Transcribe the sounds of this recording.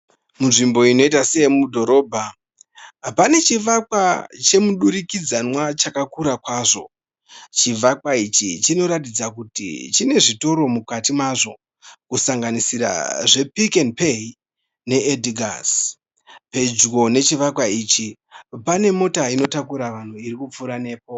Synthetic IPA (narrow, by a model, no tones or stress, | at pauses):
munʐimbo̞ino̞itaseemudʱo̞ɾo̞ːbʱa | pane̞t͡ʃiʋakwat͡ʃe̞muɗuɾikid͡zanwat͡ʃakakuɾakwaːʐo̞̰ | t͡ʃiʋakwait͡ʃit͡ʃino̞ɾatid͡zakutḭt͡ʃine̞ʐito̞ɾo̞mukatimaʐo̞ | kusaŋɡanisiɾa̰ʐe̞pikenpei | ne̞edɡʱa̰s | pe̞d͡ʒɡo̞ne̞t͡ʃiʋakwait͡ʃi | pane̞mo̞taino̞takuɾaʋan̤uiɾikup͡fuɾane̞ːp̚o